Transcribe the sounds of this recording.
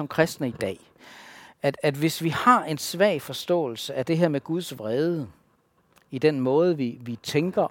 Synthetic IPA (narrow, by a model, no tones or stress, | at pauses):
ɒ̽mkʰʁasd̥nəid̥ɛ̰ː | æd̥æd̥ʋe̝sʋihɑ̈ʔe̝nsʋɛɐ̰fɒ̽sd̥ɔ̰̽ːl̩səʔæd̥e̝ɦeɐ̰meɡ̥uð̞ˠsʋʁeːð̞ˠə | id̥enmɔ̽ːð̞̩ˠəʋiʋit͡sʰeŋɡ̥ɐ